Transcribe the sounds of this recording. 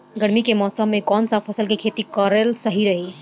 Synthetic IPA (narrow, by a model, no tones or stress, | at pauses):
ɡəɽmikemɔsəmːekɔnsapʰəsəlkekʰet̪ikəɾelsəɦiɾəɦi